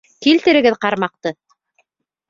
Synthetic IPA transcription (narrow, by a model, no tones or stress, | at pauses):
kilt̪ɘ̆ɾɘ̆ɡɘðqɑɾmɑq̚t̪ɤ